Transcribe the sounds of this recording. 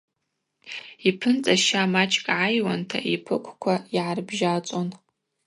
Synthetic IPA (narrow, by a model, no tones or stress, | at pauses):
ipʰɨnt͡sʼaʃamat͡ʃʰʼkʼʕajwantʰa̰ʔipʰɨkʷʰkʷʰaiʕarbʒat͡sʼon